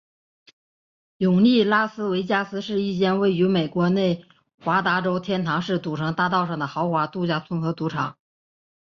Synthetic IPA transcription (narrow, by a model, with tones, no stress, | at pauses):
jʊ˨˩ŋli˥˩la˥sɹ̩˥we˧˥ɪt͡ɕja˥˩sɹ̩˥ʂɻ̩˥˧i˥˩t͡ɕjɛ˥˧nwe˥˩ɪy˧˥me˨˩ɪkwɔ˧˥ne˥˩ɪ | xwa˧˥t̪a˧˥ʈ͡ʂo˥ʊt̪ʰjɛ˥nt̪ʰɑ˧˥ŋʂɻ̩˥˩t͡su˨˩ʈ͡ʂʰɤ˧˥ŋt̪a˥˧t̪ɑ˥˧ʊʂɑ˥˩ŋd̪ə˩xɑ˧˥ʊxwa˧˥t̪u˥˧t͡ɕja˥˩t͡sʰʊ˥nxɤ˧˥t̪u˧˥ʈ͡ʂʰɑ˨˩˦ŋ